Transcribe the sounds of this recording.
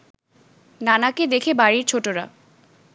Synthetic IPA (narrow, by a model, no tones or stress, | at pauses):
nanaked̪ekʰebaɾiɾt͡ɕʰoʈoɾa̰